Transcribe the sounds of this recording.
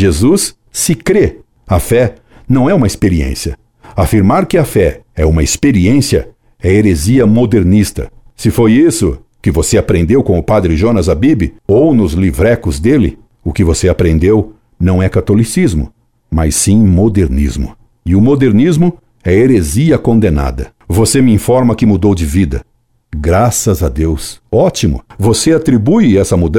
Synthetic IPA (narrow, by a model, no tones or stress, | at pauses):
ʒezusː | ɪkɾe | ɐfɛ | nɐ̃w̃ɛũmɐispeɾiḛ̃siɐ | afiɾmaɾkɪafɛɛũmɐespeɾiẽsiɐ̰ | ɛeɾeziɐmod̪eɾnist̪ɐ̰sɪfojisʊ̰ | kɪvoseapɾẽnd̪ewkõʊpad̪ɾɪʒonɐzabibɪ̰ownʊzlivɾɛkʊzd̪elɪ̰ | ʊkɪvoseapɾẽnd̪ew | nɐ̃w̃ɛkat̪olisizmʊ̰ | majsːĩmod̪eɾnḭzmʊ̰ | ɪʊmod̪eɾnizmʊ | ɛɐeɾeziɐkõnd̪ẽna̰d̪ɐ̰ | vosemɪĩfɔɾmɐkɪmud̪owd͡ʒɪvid̪ɐ̰ | ɡɾasɐzɐd̪ewsɔt͡ʃimʊ̰voseat̪ɾibujɛsɐmud̪